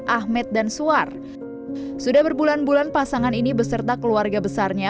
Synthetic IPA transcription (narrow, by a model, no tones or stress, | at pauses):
ʔahmɛt̪̚dansuar | sudahbərbulanbulanpasaŋaninibəsərt̪akəluarɡabəsarɲa